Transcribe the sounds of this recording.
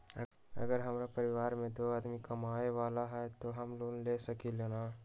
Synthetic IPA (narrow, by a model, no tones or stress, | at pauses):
ɐ̰ɡəɾɦɐmɾapɐɾɪʋaːɾmẽt̪oad̪mikɐmaːeʋaːlaɦɛt̪oɦɐmloːnleːsɐkilenaː